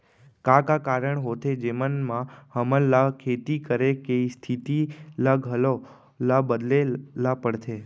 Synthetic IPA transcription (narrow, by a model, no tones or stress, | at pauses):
kãkakaɾəɳɦot̪ʰed͡ʒemənmãhəməlːakʰet̪ikəɾekeist̪ʰit̪ilaɡʱəlo | labəd̪lelapəɽt̪ʰe